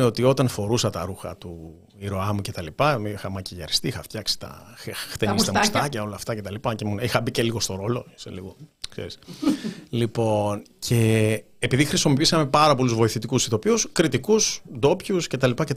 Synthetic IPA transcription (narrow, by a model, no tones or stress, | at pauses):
eo̞t̪io̞t̪ɐnfo̞ɾusɐt̪ɐɾuxɐ̰t̪u | iɾo̞ɐmuce̞t̪ɐlipɐmixɐmɐciʝɐ̰ɾist̪iixɐft̪çɐksi̥t̪ɐ̰ext̪enist̪ɐst̪ɐcɐo̞lɐːft̪ɐce̞t̪ɐlipɐcemunixɐbice̞liɣo̞st̪o̞ɾo̞lo̞isḛliɣo̞ksḛɾis | lipo̞ncʰe̞ː | piðixɾisomopisɐme̞pɐɾɐpo̞luzvo̞iθit̪ikusit̪o̞piuskɾit̪ikusd̪o̞pçusce̞t̪ɐlipɐcet̪